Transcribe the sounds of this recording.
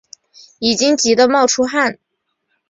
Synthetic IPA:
i˨˩t͡ɕi˥ŋt͡ɕi˧˥d̪ə˧mɑ˥˩ʊʈ͡ʂʰu˥xa˥˩n

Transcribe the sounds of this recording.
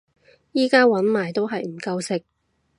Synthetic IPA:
jiː˥kaː˥wɐ˨˥nmaː˨˩jt̪o˥wɦɐ˨jm̩˨˩kɐ˧wsɪ˨k̚

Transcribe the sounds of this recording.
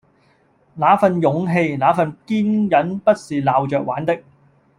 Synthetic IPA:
laː˨˥fɐ˨njʊ˨˥ŋɦe˧jlaː˨˥fɐ˨˧nkiː˥njɐ˨˥npɐ˥t̚siː˨laː˨wt͡ʃœː˨k̚waː˨˥nt̪ɪ˥k̚

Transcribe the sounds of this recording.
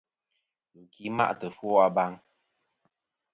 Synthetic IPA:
ɨ˨ŋ̩˨kʰi˨˦ma̰˦ʔtə˨fwɔ˦a˨ba˦ŋ

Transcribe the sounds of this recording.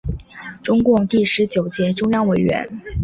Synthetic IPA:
ʈ͡ʂʊ˥ŋkʊ˥˧ŋt̪i˥˩ʂɻ̩˧˥t͡ɕjo˨˩ʊt͡ɕjɛ˧˥ʈ͡ʂʊ˥ŋjɑ˥ŋwe˨˧˩ɪɥɛ̰˧˥n

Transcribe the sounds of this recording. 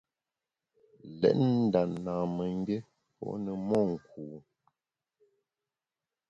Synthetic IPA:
lɛ̰˨ʔn̩˦da˨ʔnaː˨mə˨ŋ˦ɡe˦ | pɔ̰˦ʔnə˨mɔ˦˨ŋ̩˨kuː˨

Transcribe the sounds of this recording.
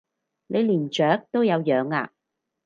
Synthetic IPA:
ne˨˧jliː˨˩nt͡ʃœː˨˥k̚t̪o˥wjɐ˨˧wjœː˨˧˥ŋa̰ː˧

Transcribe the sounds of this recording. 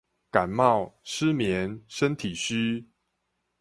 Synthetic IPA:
ka˨˩nmɑ˥˨ʊʂ̩˦mjɛ˨˦nʂə˦nt̪ʰi˨˩ɕy˦

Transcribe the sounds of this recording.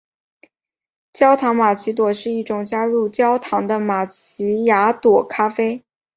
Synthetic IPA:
t͡ɕjɑ˥ʊt̪ʰɑ˧˥ŋma˨˩t͡ɕʰi˧˥t̪̬wɔ˨˩ʂɻ̩˥˧i˥˩ʈ͡ʂʊ˨˩ŋt͡ɕja˥ɻu˥˩t͡ɕjɑ˥ʊt̪ʰɑ˧˥ŋd̪ə˧ma˨˩t͡ɕʰi˧˥ja˧˥t̪wɔ˨˩kʰa˥fe˥ɪ

